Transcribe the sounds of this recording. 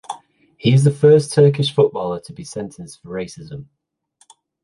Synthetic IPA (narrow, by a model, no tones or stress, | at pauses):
hiɪzðəfɜˑstʰɜˑkɪʃfʊʔb̥ɔːlətʰəbisɛ̃ntʰə̃nsfəɹeɪsɪzə̃m